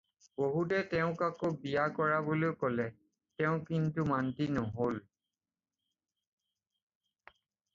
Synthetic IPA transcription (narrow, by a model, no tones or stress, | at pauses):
boɦutɛtɛʊ̃kakobijakɔɹabolokɔlɛ | tɛʊ̃kintumantinɔɦol